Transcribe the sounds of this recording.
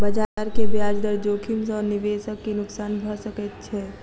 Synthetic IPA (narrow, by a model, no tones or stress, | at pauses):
bəd͡ʒaɾkebjaːd͡ʒd̪əɾd͡ʒoːkʰɪmsɔːɾnɪʋeːʃəkːinʊksaːnbʱəsəkətt͡ʃʰɛː